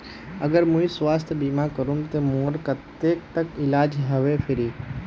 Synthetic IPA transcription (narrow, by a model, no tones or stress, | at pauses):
ə̰ɡəɾmũisʋaːst̪ʰjəbiːmakəɾũmt̪emoːɾkət̪ːeːk̚t̪əkɪlaːd͡ʒɦɐʋepʰɪɾiː